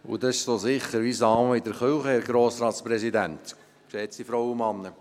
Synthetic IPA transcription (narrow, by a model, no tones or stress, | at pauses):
ʊ̰d̪ɑɪʃsoːsɪχəɾʋisɑːməɪd̪əɾχølχəɛɾɡɾoːsɾɑːt̪spɾɛsid̪ænt̪ | ksɛːt̪sifɾɔwəmɑnːə